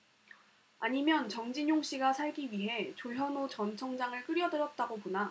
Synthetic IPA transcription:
aɲimjʌnt͡ɕʌŋd͡ʑiɲjoŋɕ͈iɡasʰaɭɡiɥiɦe̞t͡ɕoɭɦjʌnot͡ɕʌnt͡ɕʰʌŋd͡ʑaŋɯɭkɯɾjʌdɯɾjʌt̚t͈aɡopona

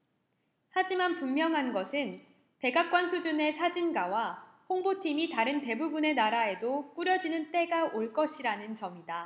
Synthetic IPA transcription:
had͡ʑimanpummːjʌŋɦanɡʌsʰɯn | pe̞ɡak̚k͈wʌnsʰud͡ʑune̞sʰad͡ʑinɡawaɸoŋbotʰimitaɾɯnte̞bubune̞naɾae̞dok͈uɾjʌd͡ʑinɯnt͈e̞ɡaʔoɭk͈ʌɕʰiɾanɯnt͡ɕʌmida

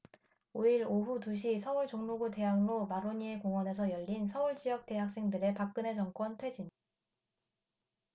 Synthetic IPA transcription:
oiɾoɦutuɕ̬ʰisʰʌuɭt͡ɕoŋmuɡute̞ɦaŋɾomaɾoɲie̞koŋwʌne̞s̬ʰʌjʌʎːinsʰʌuɭt͡ɕijʌk̚t͈e̞ɦak̚s͈e̞ŋdɯɾe̞pak̚k͈ɯne̞t͡ɕʌŋk͈wʌntʰwe̞d͡ʑin

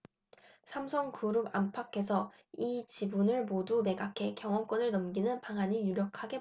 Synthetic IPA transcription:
sʰamsʰʌŋkuɾuba̰mpʰakʰe̞sʰʌ | it͡ɕibunɯɭmodume̞ɡakʰe̞kjʌŋwʌmk͈ʌnɯɭnʌmɡinɯnpaŋɦaɲijuɾjʌkʰaɡe̞

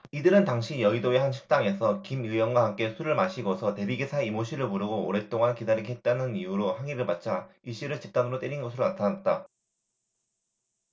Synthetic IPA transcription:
idɯɾɯntaŋɕʰijʌidoehanɕʰi̥k̚s͈aŋe̞sʰʌkimɯjwʌnɡwaɦamk͈e̞sʰuɾɯɭmaɕʰiɡosʰʌte̞biɡisʰaeimoɕʰiɾɯɭmuɾɯɡoo̰ɾe̞t͈oŋankidaɾiɡiɦet̚t͈anɯnijuɾohaŋiɾɯɭpat̚t͡ɕ͈ʰaiɕ͈iɾɯɭt͡ɕip̚t͈anɯɾot͈eɾinɡʌsʰɯɾonatʰanat̚t͈a

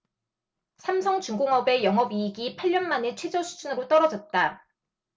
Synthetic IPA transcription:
sʰamsʰʌŋt͡ɕuŋɡoŋɦʌbe̞jʌŋɦʌbiːɡipʰaʎːʌnmanet͡ɕʰwe̞d͡ʑʌsʰud͡ʑunɯɾot͈ʌɾʌd͡ʑʌt̚t͈a

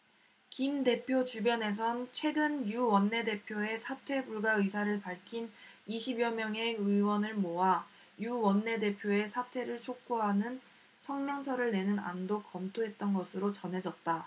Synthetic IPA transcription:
kimde̞pʰjot͡ɕubjʌne̞s̬ʰʌnt͡ɕʰwe̞ɡɯnjuwʌnːe̞de̞pʰjoe̞sʰatʰwe̞buɭɡaɯsʰaɾɯɭpaɭkʰin | iɕʰibjʌmjʌŋe̞ɯwʌnɯɭmoɦa | juwʌnːe̞de̞pʰjoe̞sʰatʰwe̞ɾɯɭt͡ɕʰok̚k͈oɦanɯn | sʰʌŋmjʌŋsʰʌɾɯɭne̞nɯna̰ndokʌmtʰoɦe̞t̚t͈ʌnɡʌsʰɯɾot͡ɕʌnɦe̞d͡ʑʌt̚t͈a

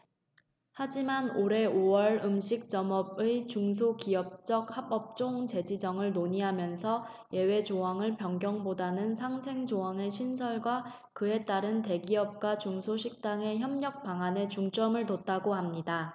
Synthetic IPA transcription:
had͡ʑimanoɾe̞owʌɭɯmɕʰik̚t͡ɕ͈ʌmʌbɯt͡ɕuŋs̬ʰokiʌp̚t͡ɕ͈ʌk̚habʌp̚t͡ɕ͈oŋt͡ɕe̞d͡ʑid͡ʑʌŋɯɭnoɲiɦamjʌnsʰʌ | je̞we̞d͡ʑowaŋɯɭpjʌŋɡjʌŋbodanɯnsʰaŋsʰe̞ŋd͡ʑoaŋe̞ɕʰins̬ʰʌɭɡwa | kɯe̞t͈aɾɯnte̞ɡiʌp̚k͈wat͡ɕuŋsʰoɕʰik̚t͈aŋe̞çjʌmɲʌk̚p͈aŋane̞t͡ɕuŋt͡ɕ͈ʌmɯɭtot͈aɡoɦamɲida

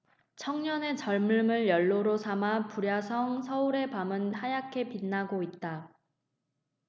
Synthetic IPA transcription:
t͡ɕʰʌŋɲʌne̞t͡ɕʌɭmɯɭmɯɭjʌɭːoɾosʰamapuɾjasʰʌŋsʰʌuɾe̞pamɯnhajakʰe̞pinːaɡoit̚t͈a

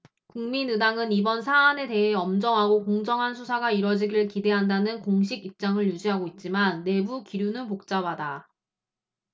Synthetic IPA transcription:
kuŋminɯdaŋɯnibʌnsʰaːne̞te̞ɦe̞ʌmd͡ʑʌŋɦaɡokoŋd͡ʑʌŋɦansʰusʰaɡaiɾwʌd͡ʑiɡiɯɭkide̞ɦandanɯnkoŋɕʰiɡip̚t͡ɕ͈aŋɯɭjud͡ʑiɦaɡoit̚t͡ɕ͈imanːe̞bukiɾjunɯnpok̚t͡ɕ͈abada

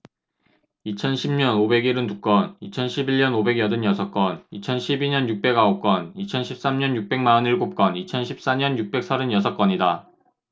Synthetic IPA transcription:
it͡ɕʰʌnɕʰimɲʌnobe̞ɡiɾɯntuk͈ʌnit͡ɕʰʌnɕʰibiɭɲʌnobe̞ɡjʌdɯnjʌsʰʌk͈ʌnit͡ɕʰʌnɕʰibiɲʌnjuk̚p͈e̞ɡaok͈ʌnit͡ɕʰʌnɕʰip̚s͈amɲʌnjuk̚p͈e̞ŋmaʌniɭɡop̚k͈ʌnit͡ɕʰʌnɕʰip̚s͈aɲʌnjuk̚p͈e̞k̚sʰʌɾɯnjʌsʰʌk͈ʌɲida

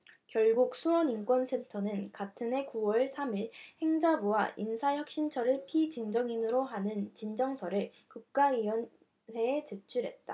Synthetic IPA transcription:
kjʌɭɡuk̚sʰuwʌnink͈wʌnsʰe̞ntʰʌnɯnkatʰɯnɦe̞kuwʌɭsʰamiɭhe̞ŋd͡ʑabuwaʔinsʰaçjʌk̚ɕ͈int͡ɕʰʌɾɯɭpʰid͡ʑind͡ʑʌŋinɯɾoɦanɯnt͡ɕind͡ʑʌŋsʰʌɾɯɭ | kuk̚k͈aiwʌn | we̞ːt͡ɕet͡ɕʰuɾɦe̞̰t̚t͈a̰

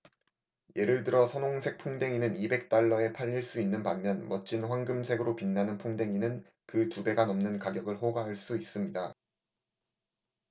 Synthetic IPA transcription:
je̞ɾɯɭtɯɾʌsʰʌnoŋsʰe̞k̚pʰuŋde̞ŋinɯnibe̞k̚t͈aɭːʌe̞pʰaʎːiɭs͈uinːɯnpamːjʌnmʌt͡ɕ͈ʰinɸwanɡɯmsʰe̞ɡɯɾopinːanɯnpʰuŋde̞ŋinɯn | kɯtube̞ɡanʌmnɯnkaɡjʌɡɯɭɦoɡaɦaɭs͈uis͈ɯmɲida

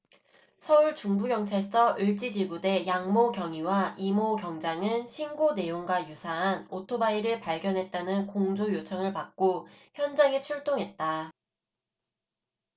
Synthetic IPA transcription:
sʰʌuɭt͡ɕuŋbuɡjʌŋt͡ɕʰaɭs͈ʰʌʔɯɭt͡ɕ͈id͡ʑiɡude̞jaŋmoɡjʌŋiwaʔimoɡjʌŋd͡ʑaŋɯnɕʰinɡone̞joŋɡwajusʰaɦanotʰobaiɾɯpaɭɡjʌnɦe̞t̚t͈anɯnkoŋd͡ʑojot͡ɕʰʌŋɯɭpak̚k͈oçjʌnd͡ʑaŋet͡ɕʰuɭt͈oŋɦe̞t̚t͈a

